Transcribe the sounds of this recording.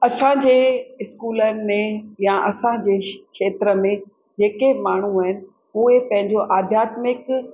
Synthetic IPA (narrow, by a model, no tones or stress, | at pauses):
ɐsãd͡ʑeːɪskuːlənɪmẽjãʔɐsãd͡ʑeːkʃeːt̪ɾəmẽ | d͡ʑeːkemaːɳ̤uaːɦɪnɪ̆ | uːepɐ̃ɦɪ̃ɲd͡ʑoʔaːd̪ʱjaːt̪mɪk